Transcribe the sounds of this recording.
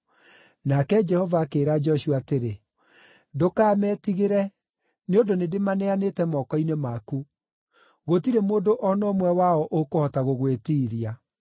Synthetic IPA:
nakɛd͡ʒɛhɔvaːkeːɾad͡ʒɔɕuateɾe | dokaːmɛːtiɣeɾɛ | neondonedemanɛanetɛmɔːkɔinemaku | ɣotiɾemoːndoʔɔnɔmwɛwaɔʔokohɔtaɣoɣwetiːɾia

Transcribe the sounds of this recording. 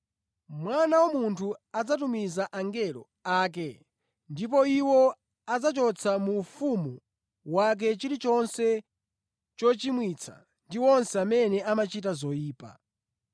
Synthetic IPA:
mwanawamuntʰuad͡zatumizaʔaŋɡɛlɔ̰ | aːk̬ɛ | ndip̬ɔiwɔ | ad͡zat͡ʃɔt͡sʰamuːfumu | wak̬ɛt͡ʃiɾit͡ʃɔnsɛ | t͡ʃɔt͡ʃimwit͡sʰa̰ | ndiwɔnsɛamɛnɛamat͡ʃit̬azɔjiːpa̰

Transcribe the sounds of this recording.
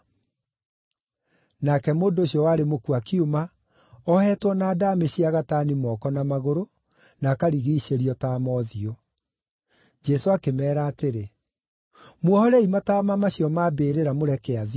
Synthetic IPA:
nakɛmoːndooɕjɔwaɾemokuakiuma | ɔhɛːtwɔnaːdameɕiaɣataːnimɔkɔnamaɣoɾo | nakaɾiɣiiɕeɾiɔtaːmɔðio | d͡ʒɛsoakemɛːɾaːteɾe | mwɔhɔɾɛimataːmamaɕjɔmaːbeːɾeɾamoɾɛkɛaði

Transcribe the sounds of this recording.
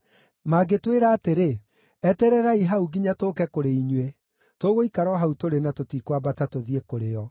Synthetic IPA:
maɡetweɾaːteɾe | ɛtɛɾɛɾaiɦauɡiɲatokɛkoɾeiɲwe | toɣoikaɾɔɦautoɾenatotikwabatatoðiekoɾejɔ

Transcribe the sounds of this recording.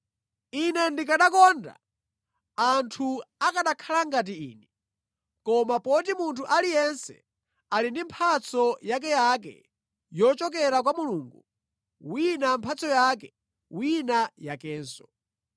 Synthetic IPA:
inɛndikaɗakɔnda̰ | antʰuakaɗakʰalaŋɡat̬iḭːnɛ | kɔmapɔtimuntʰuʔalijɛnsɛ̰ | alindimpʰat͡sʰɔjak̬ɛjak̬ɛ̰ | jɔt͡ʃɔkɛɾak̬wamuluːŋɡu | winampʰat͡sʰɔjak̬ɛ | winajakɛːnsɔ̥

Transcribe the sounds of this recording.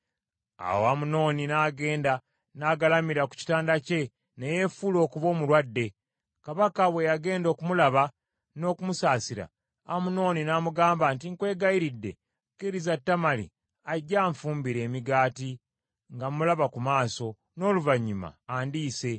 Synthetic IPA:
a̰woamuno̞ːninaːɡe̞ːnda | naːɡalamiɾaku̥ci̥taːndace̞ | neje̞fulo̞ːkuβo̞ːmulwadːe̞ | kaβakaβwe̞jaɡe̞ːndo̞ːkumulaβa | no̞ːkumusaːsiɾa̰ | amuno̞ːninaːmuɡaːmbantiŋkwe̞ːɡajiɾidːe̞̰ | keɾizatːamalḭ | aɟːaːɱfuːmbiɾe̞ːmiɡaːti | ŋɡamulaβakumaːso̞ | no̞ːluvaɲːuma̰ːndiːse̞

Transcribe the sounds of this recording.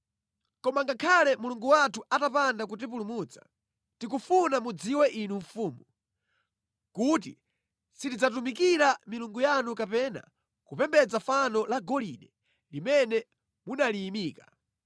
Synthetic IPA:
kɔmaŋɡakʰalɛmuluŋɡuwatʰuʔatapandakut̬ip̬ulumut͡sḁ | tikufunamud͡ziwɛʔinuɱfuːmu | kut̬ḭ | sitid͡zat̬umikiɾamiluŋɡujanukapɛna̰ | kupɛmbɛd͡zafanɔlaɡɔliɗɛ | limɛnɛ | munaliːmiːka

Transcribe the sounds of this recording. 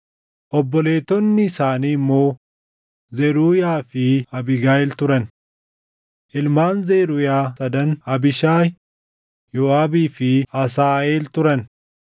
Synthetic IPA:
ʔɔbːɔle̞ːt̪ɔnːɪːsaːniːɪmːo̞ː | zɛɾuːjaːfɪɐbɪɡaːɛlt̪ʊɾɐn | ʔɪlmaːnzeɾʊjaːsɐd̪ɐnɐbɪʃaː | jɔːaːbiːfɪɐs̬aːeːlt̪ʊɾɐn

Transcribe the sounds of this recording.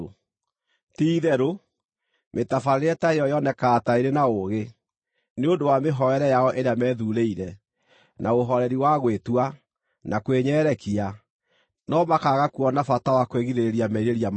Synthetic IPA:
tiːðɛɾo | metafaɾɾeɛtaeɔjɔnɛkataiɾenaoɣe | neondowameɦɔɛɾɛjaɔʔeɾeamɛːðuɾeiɾɛ | naoɦɔɾɛɾiwaɣwetua | nʔakweɲɛːɾɛkia | nɔmakaɣakuɔnafatawakweɣiðeɾeɾiamɛiɾeɾiam

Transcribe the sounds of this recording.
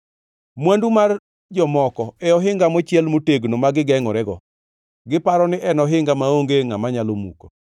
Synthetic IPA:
mwandumar | d͡ʒɔmɔkɔɛɔɦɪŋɡamot͡ʃjɛlmoteɡnomaɡɪɡɛŋɔɾɛɡɔ | ɡɪpaɾɔnɪʔɛnɔɦɪŋɡamaoŋɡeŋamaɲalomṵko

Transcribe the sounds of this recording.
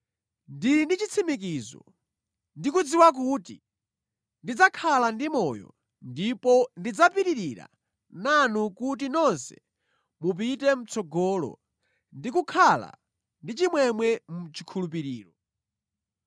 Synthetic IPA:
ndiindit͡ʃit͡sʰimik̬izɔ̰ | ndikud͡ziwak̬uti | ndid͡zakʰalandimɔjɔ̰ | ndipɔndid͡zapiɾiɾiɾa̰ | nanukut̬inɔnsɛ̥ | mupitɛm̩t͡sɔɡɔːlɔ̰ | ndikukʰala̰ | ndit͡ʃimwɛmwɛmut͡ʃi̥kʰulup̬iɾiːɾɔ

